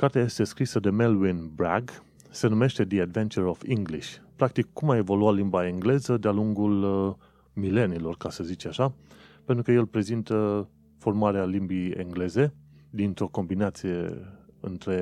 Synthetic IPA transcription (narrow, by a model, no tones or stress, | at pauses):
kart̪eaje̞st̪e̞skɾisəd̪e̞melwinbɾaɡ | se̞nume̞ʃt̪e̞d̪iad̪ve̞nt͡ʃuɾofiŋɡliʃʲpɾakt̪ikːumae̞vo̞luatlimbaeŋɡle̞zəd̪ealuŋɡul | mile̞nilo̞rkasəzit͡ʃaʃa | pent̪ɾukəje̞lpɾe̞zint̪ə | fo̞rmaɾealimbiḛŋɡle̞ze̞ | d̪int̪ɾo̞ko̞mbinat̪sije̞ɨ̰nt̪ɾe̞